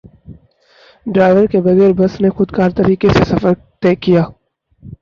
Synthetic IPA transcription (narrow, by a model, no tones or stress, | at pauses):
ɖɾaːɪʋəɾkebɐɣɛːɾbɐsnexʊd̪kaːɾt̪ɐɾiːkesesɐfəɾ | t̪ɛːkijaː